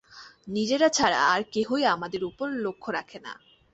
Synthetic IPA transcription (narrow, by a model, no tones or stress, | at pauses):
nid͡ʑeɾat͡ɕʰaɾa̰ːɾkeɦojamad̪eɾupoɾlokʰːoɾakʰena̰